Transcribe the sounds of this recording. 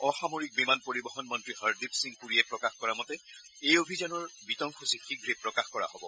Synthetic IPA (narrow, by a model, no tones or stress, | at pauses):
ɔxamoɹik̚bimanpoɹibɔxɔnmɔntɹihaɹdipsĩŋɡkuɹiɛpɹɔkaxkɔɹamɔtɛ | ejobʱizanɔɹbitɔŋxʰusixiɡɹepːɹɔkaxkɔɹa̰hɔbɔ